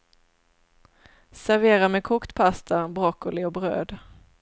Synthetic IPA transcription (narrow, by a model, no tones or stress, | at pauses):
sæɾveːɾamɛkʰukt̪pʰast̪ʰabɾɔkːʊlɪɔbɾø̰ːd̪